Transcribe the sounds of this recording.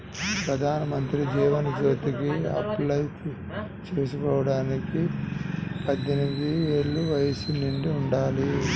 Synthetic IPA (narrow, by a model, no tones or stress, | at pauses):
pɾɐd̪ʱaːnɐmɐnt̪ɾid͡ʒɛːʋɐnid͡ʒo̞ːt̪ikiɐ̰plɐjt̪ | t͡ʃeːsukɔːʋɐɽaːniki | pɐd̪ʱːjenimid̪ieːɭːuʋɐjɐsuniɳɖiuɳɖaːli